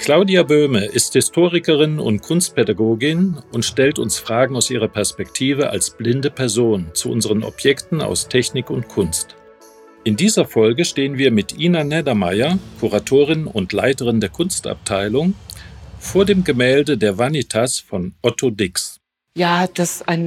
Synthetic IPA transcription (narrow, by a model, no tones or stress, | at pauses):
kl̥aʊdiabøːməʔɪsthɪstʰoːʁɪkəʁɪnʊ̰ntkʰʊnst̚pʰedaɡoːɡɪnʊntʃtɛltʊ̰nsfʁ̥aːɡŋ̩aʊsʔḭːʁ̞ɐpʰɛɐspɛktʰiːvəʔa̰lsb̥lɪndəpʰɛɐzoːnt͡suʔʊ̰nzəʁənɔ̰pʰjɛktn̩a̰ʊstʰɛçnɪkʊntkʰʊnst | ʔɪndiːzɐfɔlɡəʃteːənviːɐmɪtʔiːnanɛdɐmaɪɐkʰuʁatʰoːʁ̞ɪnʊ̰ntla̰ɪtəʁɪndeːɐkʰʊnsta̰p̚tʰaɪlʊŋ | foːɐdeːmɡəmɛːldədeːɐvanitʰasfɔnʔɔtʰodɪks | jaːd̥asaɪn